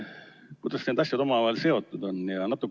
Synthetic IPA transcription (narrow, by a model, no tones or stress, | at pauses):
kut̪ɑssenɑsjot̪omɑlɑelseo̞t̪ːut̪onːjɑnɑt̪ːˑuk